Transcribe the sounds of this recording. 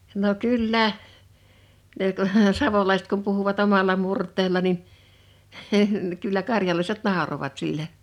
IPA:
no kylːæ ne ku sɑʋolɑiset kum puhuʋɑt omɑlˑɑ murtˑeːlːɑ nin kylːæ kɑrjɑlɑiset nɑˑoroʋɑt silːe

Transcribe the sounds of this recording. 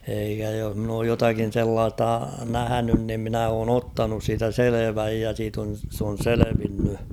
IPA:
eikæ joh mn oːj jotɑkin selːɑːstɑ næhænyn nim minæ oːn otːɑnus siːtæ seleʋæj jɑ siːt on̞ s on̞ seleʋinːy

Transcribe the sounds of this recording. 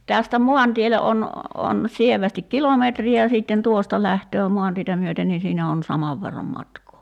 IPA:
tæstæ mo̝ɑntiele on on sieʋæstik kilometri jɑ siːtːen tuostɑ læhtøː mu̞ɑntietæ myøten nin̞ siːnæ on sɑmɑʋ ʋerːɑm mɑtkoː

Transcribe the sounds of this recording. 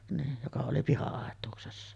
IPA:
niːj jokɑ oli pihɑɑˑetˑuːksesːɑ

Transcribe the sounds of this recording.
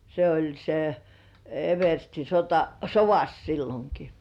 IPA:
se olʲ se eʋersti sotɑsoʋɑs silːoŋki

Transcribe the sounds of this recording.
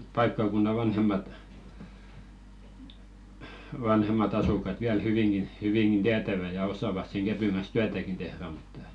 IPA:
pɑikːɑˑkunːɑ ʋɑnhemːɑt ʋɑnhemˑɑt ɑsukˑɑt ʋiæl hyʋiŋɡ̊in hyʋiŋɡ̊in tiætæʋæ jɑ osˑɑˑʋɑs seŋ ɡ̊æpyŋ ɡ̊ɑn̞s tyætækin tehræ mutːɑ

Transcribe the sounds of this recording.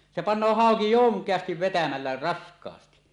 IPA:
se pɑnˑoː hɑˑoki joŋkˑeɑstiʋ ʋetæmælːæ rɑskˑɑːsti

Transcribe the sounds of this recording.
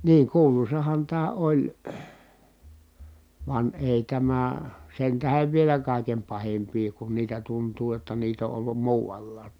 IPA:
niːŋ kuːlusɑhɑn tæː olʲ ʋɑn eˑi tæmæ sen tæheʋ ʋielæ kɑˑikem pɑhimpiː kun niːtæ tuntuː j̆otːɑ niːt o ʔolːum muːʋɑlːɑːt

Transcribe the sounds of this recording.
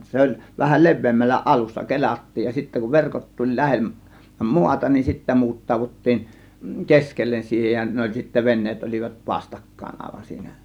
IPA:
se olʲ ʋæhæ le̞ʋˑeːmːælːæ ʔɑlusːɑ ke̞lʲɑtːiːj jɑ sitːæ kuʋ ʋerkot tulʲ læ̞hem muɑtɑ nin sitːæ muːtːɑːʋutːiːn keskelːen siːhen jɑ ne olʲ sitːæ ʋenːeːt olʲiʋɑt ʋɑstɑkːɑˑe̝n ɑˑe̝ʋɑn siːnæ

